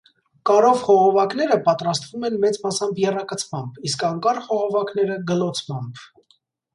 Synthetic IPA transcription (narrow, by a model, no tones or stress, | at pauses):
kɑɾɔvχɔʁɔvɑkn̪ɛɾəpɑt̪ɾɑst̪vumɛnmɛt͡smɑsɑmbjɛrɑkət͡sʰmɑmbiskɑŋkɑrχɔʁɔvɑkn̪ɛɾəɡəlɔt͡sʰmɑmb